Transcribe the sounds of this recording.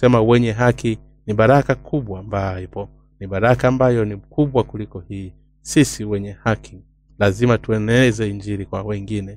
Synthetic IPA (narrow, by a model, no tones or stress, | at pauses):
sɛmawɛɲɛɦaki | niɓaɾakakʰuɓwaːmbajipɔ | niɓaɾakaːmbajɔnikuɓwakulikɔhiː | sisiwɛɲɛhaki | lazimatuɛnɛɛzɛiɲd͡ʒiɾikwawɛŋɡinɛ